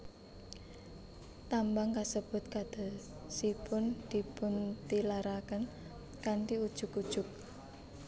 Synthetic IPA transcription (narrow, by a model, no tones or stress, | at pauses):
t̪ambaŋkasəb̥ʊ̤t̪̚kad̪̥a̤sipʊnd̪̥i̤pʊnt̪ilaɾakən | kant̪iud̥ʒ̥ʊ̤kud̥ʒ̥ʊ̤k̚